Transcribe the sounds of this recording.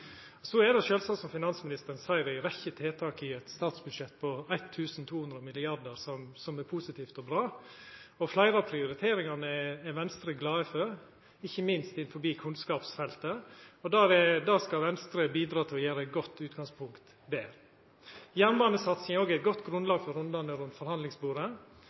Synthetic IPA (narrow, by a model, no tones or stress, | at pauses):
ɔsɔɛd̪ɛʃøːlsɑt̪sɔmfɪnɑnsmɪnɪst̪əɾənsæɪɾæɾɛçːət̪ʰeːt̪ʰɑːkɪɛt̪st̪ɑːt̪sbʉd̪ʂɛt̪ːpʰɔæɪt̪ʰːʉːsn̩t̪ʰuːhʉnd̪ɾəɔmɪlɪɑɖ̪əɾsɔmsɔmɛpʰusɪt̪ʰiːft̪ɔbɾɑː | ɔflæɪɾəɑpʰɾɪʊɾɪt̪ʰeːɾɪŋɑnəɛɛʋɛnst̪ɾəɡlɑːəfœɾ | ɪçːəmɪnst̪ɪnfɔɾbiːkʰʉnskɑːpsfɛlt̪əɔd̪ɑːɾɛd̪ɑːskɑʋɛnst̪ɾəbiːd̪ɾɑːt̪ʰɪlɔjæːɾəæɪt̪̚ɡɔt̪ːʉːt̪ɡɑŋspʰʊŋkt̪ | beːɾ | jænʋɑːnəsɑt̪sɪŋoːɡæɪt̪̚ɡɔt̪ːɡɾʉnlɑːɡfɔɾʉnd̪ɑnəɾʉnt̪fɔɾhɑnd̪ɪŋsbuːɾə